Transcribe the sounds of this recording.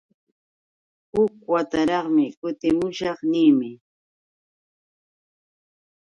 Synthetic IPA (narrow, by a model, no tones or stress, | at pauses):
hʊkwat̪aɾɑχmɪkʊt̪ɪmʊʃɑχnɪːmɪ